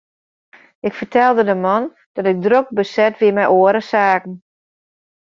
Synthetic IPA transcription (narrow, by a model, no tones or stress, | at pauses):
ɪkfərtʰɛlˠdədəmɑn | d̥ɑtɪk̚drok̚bəsɛtʋɪəmɛjʔoəɾəsaːkn̩